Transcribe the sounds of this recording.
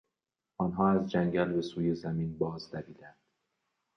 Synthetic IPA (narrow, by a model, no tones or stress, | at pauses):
ɒːnɦɒːæzd͡ʒæŋɟælbe̞suːje̞zæmiːnbɒːzd̪æbiːd̪ænd̪̥